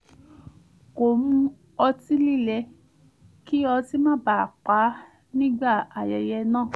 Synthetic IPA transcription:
ko˨mũ˧ | ɔ˧ti˦li˦˨lɛ˧ | ki˦ɔ˧ti˦mã˦˨ba˨k͡pa˨˦ | nĩ˦ɡ͡ba˦˨a˨jɛ˨jɛ˧nãː˦˨

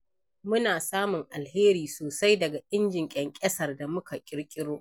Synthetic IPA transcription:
mʊ˦naː˨saː˦mʊ˨ŋʔa˨lheː˦ɾiː˨soː˨sa˦jdɐ˨ɡa˨ʔɪ˦nd͡ʒɪ˨ŋkʲʼɛ˨ŋkʲʼɐ˦sɐ˨rda˨mʊ˦ka˨kʲʼɪ˦ɽkʲʼɪ˦ɽoː˦ʔ

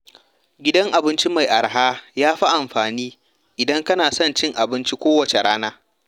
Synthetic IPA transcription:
ɡʲɪ˦dɐ˦ŋʔa˨bɪ˦nt͡ʃi˦ma˨jʔa˨ɾɦaː˦jaː˦ɸa˦ʔa˨mɸaː˨niː˦ | ʔɪ˨dɐ˦ŋkɐ˦naː˨sɐ˦˨nt͡ʃɪ˦ŋʔa˨bɪ˦nt͡ʃi˦kʷoː˦wɐ˨t͡ʃe˨ɽaː˦naː˦

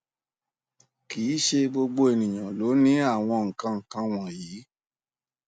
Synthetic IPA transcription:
kiː˨˦ʃe˧ɡ͡bo˧ɡ͡bo˧e˨nĩ˨j̃ã˨lo˨˦nĩ˦a˦˨w̃ɔ̃˧ŋ̩˨kã˧ŋ̩˨kã˧w̃ã˨jiː˨˦

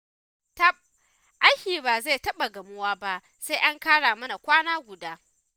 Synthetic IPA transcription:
tɐ˦˨p̚ | ʔa˦jhʲiː˨baː˨ze˦˨tɐ˦ɓa˨ɡɐ˨mʊ˦waː˦ba˦ʔ | se˦jʔa˦ŋkaː˦ɽaː˨mɐ˦na˨kʷaː˦naː˦ɡʷʊ˨daː˦

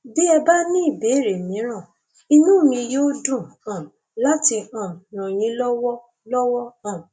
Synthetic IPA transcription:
be˦ɛ˧ba˦nĩ˦i˦˨be˨˦˨ɾe˨mĩ˨˦ɾ̃ã˦˨ | i˧nũ˦˨mĩ˧joː˦dũ˦˨ã˨ | la˦ti˧ã˨nã˨j̃ĩ˨˦lɔ˦wɔ˦ | lɔ˦wɔ˦ã˦˨

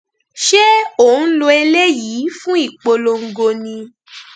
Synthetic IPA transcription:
ʃe˦o˦˨ñ̩˦lo˧e˧le˦jiː˨˦fũ˦i˦˨k͡po˧lo˧ŋ̩˨ɡo˧nĩ˧

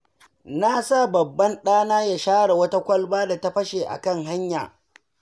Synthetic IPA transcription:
na˦sa˦˨bɐ˨bːɐ˦nɗaː˦naː˦ja˨ʃaː˦ɽa˨wɐ˦ta˦kʷɐ˦lbaː˦da˨ta˦ɸɐ˦ʃe˨ʔa̰˨kɐ˦ŋɦa˦ɲja̰ː˨

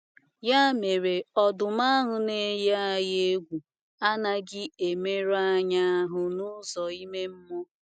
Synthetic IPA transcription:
ja˦me˨ɾe˨ɔ˨dʊ˨ma˦ɦʊ˨ne˨˦je˦a˨je˦ɡʷu˨ | a˦na˨ɡɪ˦e˨me˦ɾa˦ɲa˦a˦ɦʊ˦nʊ˦zɔ˨i˦me˦m̩˦mʊ˦

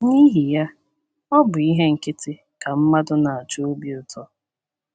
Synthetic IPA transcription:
ni˦ɦi˨ja˦ | ɔ˦bʊ˨i˦ɦe˦ŋ̩˨kɪ˦tɪ˦ | ka˨m̩˦ma˦dʊ˦na˨a˨t͡ʃo˦o˦bi˦ʊ˨tʰɔ˦

